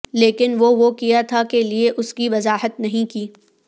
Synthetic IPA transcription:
leːkɪnʋoʋokijat̪ʰakelieʔʊskiʋɐzaːɦət̪nɐɦĩkiː

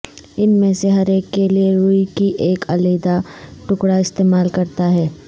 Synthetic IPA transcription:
ɪnmẽseɦɐɾeːkːelieɾuːikiʔeːkʰɐleːd̪aʈʊkɽaɪst̪eːmaːlkɐɾt̪aɦɛː

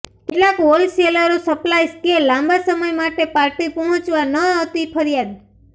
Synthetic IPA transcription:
kɪʈlakolseləɾosəplajskelãmbasəməjmaʈepaɾʈipɔɦɔ̃t͡ʃʋanəawt̪ipʰəɾijad̪̚

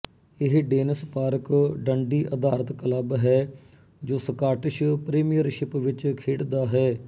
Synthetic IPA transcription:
ɪɦɖeːnəspaːɾəkɖəɳɖiːʔəd̪aːɾət̪kələbɦɛː | d͡ʒoːsəkaːʈɪʃpɾeːmijəɾʃɪpʋɪt͡ʃkʰeːʈd̪aːɦɛː

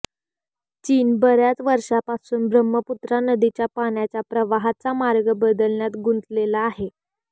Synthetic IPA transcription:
t͡ɕiːnbəɾjat͡sʋəɾʂapasuːnbɾəmːəput̪ɾanəd̪it͡ɕjapaɳjat͡ɕjapɾəʋaɦat͡samaɾɡəbəd̪əlɳjat̪ɡunt̪lelaːɦe

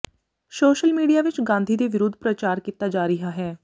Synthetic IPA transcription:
soːʃəlmiːɖijaːʋɪt͡ʃɡãːnd̪ʱiːd̪eːʋɪɾod̪ʱpɾət͡ʃaːɾkiːt̪ːaːd͡ʒaːɾɪɦaːɦɛː

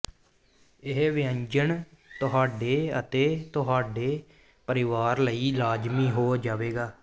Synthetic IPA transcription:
ɪɦʋɪə̃ɲd͡ʒəɳt̪ʊɦaːɖeːət̪eːt̪ʊɦaːɖeː | pəɾɪʋaːɾləiːlaːd͡ʒmiːɦoːd͡ʒaːʋeːɡaː

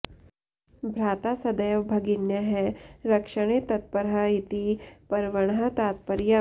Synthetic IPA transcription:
bʱɾaːt̪asɐd̪ɐjʋbʱɐɡɪnjɐɦɛɾɐkʃɐɽ̃eːt̪ɐt̪̚pɐɾait̪ipɐɾʋɐɽɦɐt̪aːt̪̚pɐɾjɐ

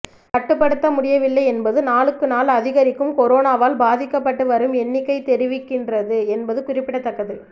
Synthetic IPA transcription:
kɐʈːɯpːɐɽɯt̪ːɐmʊɽɪjɐʋɪlːɐɪɛnbɐðɯnaːlɯkːɯnaːlɐðɪɣɐɾɪkːɯmkɔɾoːnaːʋaːlbaːðɪkːɐpːɐʈːɯʋɐɾɯmɛnːɪkːɐɪt̪ɛɾɪʋɪkːɪndrɐðɯɛnbɐðɯkʊrɪpːɪɽɐt̪ːɐkːɐðɪl

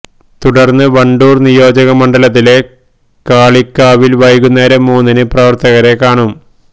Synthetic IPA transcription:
t̪uɽɐrnːɨʋɐɳɖuːrnijo̞ːd͡ʑɐɣɐmɐɳɖɐlɐt̪̬ːile̞ | kaːɭikːaːʋilʋɐjɣunːɐɾemuːnːɐnɨprɐʋɐrt̪ɐɣɐɾe̞kːaːɳum

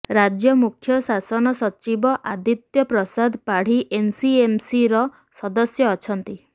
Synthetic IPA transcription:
ɾad͡ʒjɔmukʰjɔsasɔnɔsɔt͡ʃibɔʔad̪it̪jɔpɾɔsad̪ʱpaɽ̤iʔensiemsiɾɔ | sɔd̪ɔsjɔːt͡ʃʰɔnt̪i

